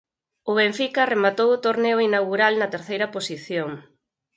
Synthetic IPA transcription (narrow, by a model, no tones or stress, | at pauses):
ʊβeɱfikɐremat̪owʊt̪oɾneʊinawɣuɾalnɐt̪eɾθejɾɐposiθjoŋ